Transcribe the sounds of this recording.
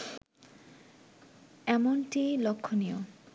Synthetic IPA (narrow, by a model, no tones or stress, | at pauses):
ɛmonʈilokʰːonio